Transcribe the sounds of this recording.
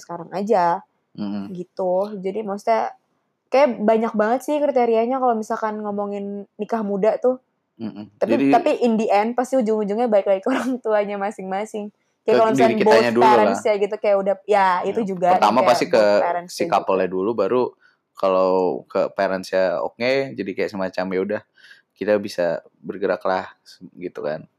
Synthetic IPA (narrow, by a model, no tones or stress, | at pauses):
sə̥kaɾaŋad͡ʒa | m̩mɡit̪ud͡ʒadimost̪aa | kajabaɲak̚baŋət̪sɪhkɾit̪eɾiaɲakalomisalkanŋɔmoŋɪnːikahmudat̪ʊh | m̩mt̪apit̪apiʔindiʔɛnpast̪iud͡ʒʊŋud͡ʒʊŋɲabaɪk̚laikoɾaŋt̪uaɲamasɪŋmasɪŋ | kajaklɔnskiboaɲaduaɾansiaɡit̪ukajaʔudahjaitt̪ud͡ʒuɡaərt̪amaapast̪ikəpaɾanssikapəladulubaɾu | kalakəpaɾansiao̰ked͡ʒadikajaʔsəmat͡ʃamjaudah | kit̪abisa̰bərɡəɾa̰klahɡit̪uka̰n